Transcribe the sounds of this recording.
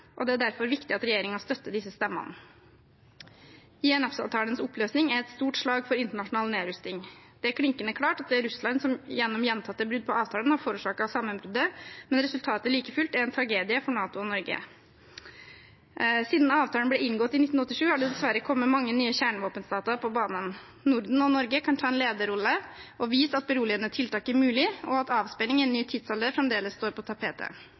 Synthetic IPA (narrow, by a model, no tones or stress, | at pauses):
ʔɔd̪ɛæɖæɾfɔɾʋɪkt̪ɪɑt̪ɾɛjeːɾɪŋɑst̪œt̪ːəd̪ɪsːəst̪ɛmːɑ̰nə̰ | ɪɛnɑfsɑ̰ːʋt̪ʰɑːlənsɔpløːsnɪŋæɾɛt̪st̪uːʈʂɭɑːɡfɔɾɪnt̪əɳɑʂʊnɑːlneːɾʉst̪ɪŋd̪̥ɛækʰɽɪŋkənəkʰlɑːʈɑt̪̚d̪ɛæɾʉslɑnsɔmjɛnːɔmjɛnt̪ʰɑt̪ːəbɾʉd̪̚pʰɔʔɑːʋt̪ʰɑːlənhɑɾfoːɾʉːʂɑːkɑʋsɑmːənbɾʉd̪əmɛnɾɛsʉlt̪ʰɑːt̪əliːkəfʉlt̪æɾɛnt̪ʰɾɑɡeːd̪ɪəfɔɳɑːt̪ʊɔnɔɾɡə̰ | siːd̪n̩ɑːʋt̪ʰɑlənblɛɪŋɡɔt̪ːɪnɪt̪n̩ɔt̪ːɪʂʉːhɑɖɛd̪ɛsʋæɾːəkʰɔmːəmɑŋːənyːəçæːɳəʋoːpənst̪ɑːt̪əɾpʰɔbɑːnən | nʊɾd̪n̩ɔnɔɾɡəkʰɑnt̪ʰɑːɛnleːd̪əɾɔlːəʔɔʋiːsɑt̪̚bəɾuːlɪənət̪ʰɪlt̪ʰɑːkəɾmʉːlɪɔɑt̪ɑːʋspɛnɪŋɪɛnːyːt̪ʰɪd̪sɑld̪eːfɾɛmd̪eːləsːt̪oːɾpʰɔt̪ʰɑpʰeːt̪ə̰